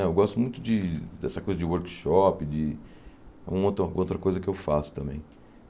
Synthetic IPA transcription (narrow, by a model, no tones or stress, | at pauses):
ɛewɡɔst̪ʊmũj̃t̪ʊd͡ʒɪd̪ɛsɐkojzɐd͡ʒɪwoɾkʃɔpɪd͡ʒɪ | ɛ̰ũɐot̪ɾɐ̃owt̪ɾɐkojzɐkɪewfasʊ̥t̪ɐ̃mbḛ̃j̃